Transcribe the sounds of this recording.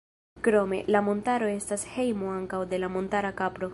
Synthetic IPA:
kɾo̞me̞̰lamo̞ntaɾo̞e̞stashe̞jmoaŋkawde̞lamo̞ntaɾakapɾo̞

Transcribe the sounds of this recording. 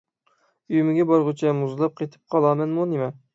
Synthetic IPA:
yjmɪɡʲɛbɑɾʁʊt͡ʃʰɛmuzlˠɑp̚qʰet̪ʰɪ̥p̚qʰɑlˠɑːmɛnmunemɛ

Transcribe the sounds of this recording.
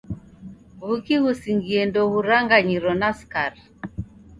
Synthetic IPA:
ɣukiɣusiŋɡiɛndɔɣuɾaŋɡaɲiɾɔnaskaɾ

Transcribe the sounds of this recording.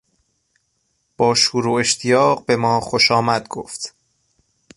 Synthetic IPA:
b̥ɒːʃuːɾuːe̞ʃt̪ʰijɒːɢbe̞mɒːxoʃɒːmæd̪̥̚ɡ̥o̰ːft̪

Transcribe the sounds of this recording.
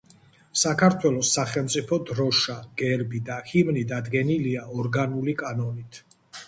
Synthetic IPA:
sakʰaɾt̪ʰwɛlˠɔsːaχɛlˠmt̪sʼipʰɔd̪ɾɔʃaɡ̥ɛɾbid̪ahimnid̪ad̪ɡɛniliaɔɾɡanulikʼanɔnit̪ʰ

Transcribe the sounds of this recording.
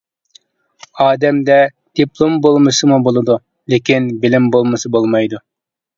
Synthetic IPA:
ɑːd̪ɛmd̪ɛ | d̪̥iplˠombolˠmɨsɨmubolˠɨd̪u | lekʲinbɪlɪmbolˠmɨsɨbolˠmɑjd̪u

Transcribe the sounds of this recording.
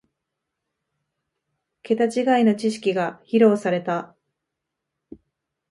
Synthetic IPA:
ke̞t̪at͡ɕiɡaino̞t͡ɕiɕi̥kʲiɡaçiɾo̞ːsaɾe̞t̪a

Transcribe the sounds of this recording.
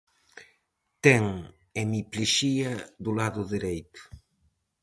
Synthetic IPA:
t̪ɛŋ | emipliʃiaðulaðʊðiɾejt̪ʊ̥

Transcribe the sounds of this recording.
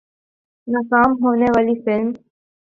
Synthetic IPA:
nakaːmɦoːneʋaːlifɪlm

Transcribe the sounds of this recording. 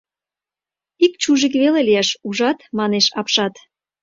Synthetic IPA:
ik̚t͡ɕuʒik̬βelelijeʃuʒɑt̪mɑneʃɑpʃɑt̪

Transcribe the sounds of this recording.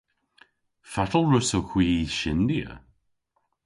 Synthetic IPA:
fatl̩ˠɹusoxʰw̥iʃɪndiə̰

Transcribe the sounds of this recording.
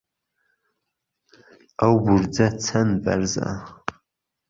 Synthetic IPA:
awbʊrd͡zat͡sʰanbʼa̰rza̰

